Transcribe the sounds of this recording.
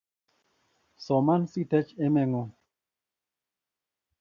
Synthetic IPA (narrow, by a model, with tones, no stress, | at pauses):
sɔ˨ma˦nsi˦tɛ˦t͡ʃɛ˦mɛ˨ŋo˨